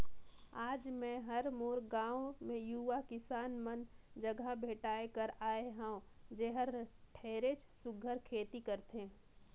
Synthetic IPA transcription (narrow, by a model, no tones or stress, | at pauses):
aːd͡ʒmɛ̃ɦɐɾmoːɾɡãːõmẽjuʋakɪsaːnmənd͡ʒɐɡʱabʱeːʈaːekəɾaːeɦãõd͡ʒeɦəɾʈʰeːɾet͡ʃsʊɡʱəɾkʰeːt̪ikɐɾt̪eẽ